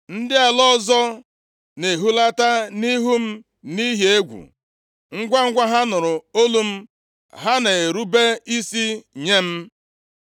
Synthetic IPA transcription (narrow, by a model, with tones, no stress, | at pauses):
n̩˦dɪ˦a˨lɔ˦zɔ˦ | ne˨ɦu˦la˦ta˦ni˦ɦu˦m̩˦ | ni˦ɦje˦ɡʷṵ˨ | ŋ̩˦ɡʷa˦ŋ̩˦ɡʷa˦ɦa˦nʊ˨ɾʊ˨o˦lu˦m̩˦ | ɦa˦ne˨e˨ɾu˦be˦i˦si˦ɲe˦m̩˦